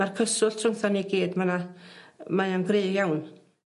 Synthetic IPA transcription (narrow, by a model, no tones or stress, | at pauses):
arkʰəsʊltʰrʊŋθaniɡiːdmana | majanɡreːjawn